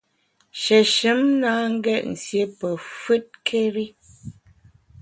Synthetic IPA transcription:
ʃɛ˨ʃɨ˨˦mna˦ŋ̩˦ɡɛ˦˨ʔ̚n̩˨sje˦pə˨fʉ˦t̚kʰe˦ɾi˦

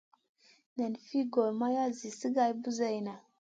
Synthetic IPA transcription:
na˨nfi˦ɡo˨lma˦ja˦zi˨sə˦ɡa˨jbu˦za˦jna˨

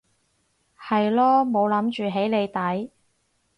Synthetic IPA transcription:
hɐ˨jlɔː˥mo˨˧wlɐ˨˥mt͡ʃyː˨ɦe˨˥jle˨˧jt̪ɐ˨˥j

